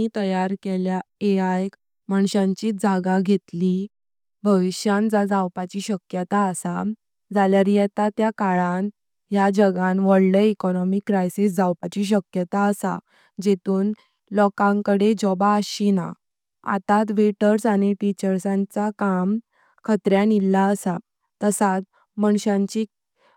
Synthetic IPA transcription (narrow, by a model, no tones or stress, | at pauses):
it̪əjaɾkeljaeajk | maɳɕãɲt͡ɕiːd͡zʱaɡaɡʱet̪li | bʱəʋiɕjãnd͡zad͡zawpat͡ɕiːɕəkjət̪aəsa | d͡zʱaljaɾijɛt̪at̪jakaɭan | jad͡ʑəɡãnʋəɽləikɔnɔmikːɾajsisd͡zawpat͡ɕiːɕ̬əkjət̪aːsa̰ | d͡ʑet̪uːn | lɔkãŋkəɽed͡ʑɔbaəɕina̰ | a̰t̪at̪ʋeʈəɾsañiʈit͡ɕəɾsãnt͡sakam | kʰət̪ɾjanilːaəsa | t̪əsat̪̚ | məɳ̃ɕãɲt͡ɕi